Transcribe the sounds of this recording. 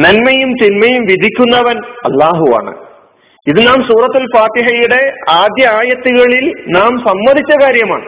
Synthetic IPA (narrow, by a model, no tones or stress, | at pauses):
nɐnmɐjumt̪inmɐjumʋid̪ʱikʲːunːɐʋɐnɐ̰lːaːɦua̰ːɳɨ̰ | iðɨnaːmsuːrɐt̪ːulfaːt̪iɦɐjuɽe̞aːd̪jɐaːjɐt̪ːuɣɐɭilnaːmsɐmːɐd̪ʱit͡ɕːɐkaːɾjɐma̰ːɳɨ